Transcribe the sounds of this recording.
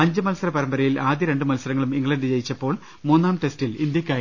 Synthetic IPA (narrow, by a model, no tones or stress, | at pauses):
ɐɲd͡ʑɨmɐlsɐɾɐpɐɾɐmbɐɾɐjilaːd̪jɐɾe̞ɳɖɨmɐlsɐɾɐŋːɐɭumiŋɡɭɐnd̪ɨt͡ɕe̞jit͡ɕːɐpːo̞ːɭ | muːnːaːmt̪e̞stilind̪jɐkʲːaːji